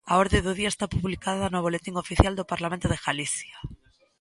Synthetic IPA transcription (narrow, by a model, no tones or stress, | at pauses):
aoɾðeðoðiaest̪apuβlikaðanoaβolet̪iŋofiθjald̪opaɾlamẽnt̪oðeɣalisja